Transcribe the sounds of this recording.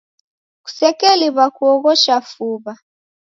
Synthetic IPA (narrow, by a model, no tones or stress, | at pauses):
ku̥sɛkɛliβakuɔɣɔʃafuβa